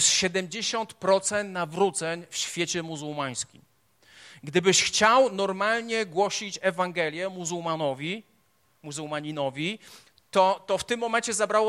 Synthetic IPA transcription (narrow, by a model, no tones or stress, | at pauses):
sɕɛd̪ɛmd͡ʑeɕɔnt̪pɾɔt̪sɛnt̪navɾut̪sɛɲfɕfʲjet͡ɕɛmuzuwmaj̃skʲim | ɡd̪ɘbɘɕxt͡ɕawnɔɾmalɲɛɡwɔɕit͡ɕɛvaŋɡɛlʲjɛmuzuwmanɔvʲi | muzuwmaɲinɔvʲi | t̪ɔt̪ɔft̪ɘmːɔmɛnt͡ɕɛzabɾawɔ